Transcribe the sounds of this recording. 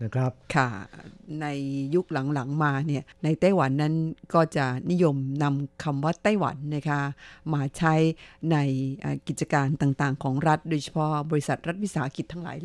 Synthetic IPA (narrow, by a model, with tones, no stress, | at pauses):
n˦˥kʰa˦˥p̚kʰa˥˩na˧jːu˦˥k̚la˨˩˦ŋla˩˦ŋmaː˧ni˥˩ɐna˧jt̪a˥˩jwa˩˦nːa˦˥nkɔː˥˩t͡ɕa˨˩ni˦˥jo˧mna˧mkʰa˧mwaː˥˩t̪aː˥˩jwa̰˩˦nːa˦˥˩kʰa˦˥maː˧t͡ɕʰa˦˥jna˧jʔa̰ː˨˩ki˨˩t̪̚t͡ɕa˧kaː˧nt̪aː˨˩ŋt̪aː˨˩ŋkʰɔː˩˦ŋɾa˦˥t̪̚doː˧jt͡ɕʰḁ˦˥pʰɔ˦˥bɔː˧ɾi˦˥sa˨˩t̪̚ɾa˦˥t̪̚wi˥saː˩˦ki˨˩t̪ʰːa˥ŋla̰ː˩˦j